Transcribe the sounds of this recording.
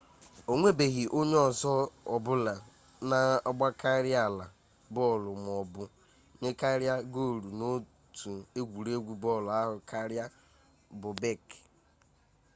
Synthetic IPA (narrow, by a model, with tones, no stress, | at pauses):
o˨ŋʷe˦be˨ɣi˨ʔo˦ɲe˦ɔ˨zɔ˦ɔ˨bʊ˦la˨ | na˨ɔ˦ɡ͡ba˦kʰa˦ɾja˨la˨ | bɔ˦˨lʊ˨m˨ɔ˨bʊ˦ | ɲe˦ka˦ɾja˦ɡo˦˨ɾu˨no˦ | tu˨e˦ɡʷu˨ɾe˦ɡʷu˦bɔ˦˨lʊ˨a˦ɦʊ˨kʰa˦ɾja˦ | bʊ˨be˦˨k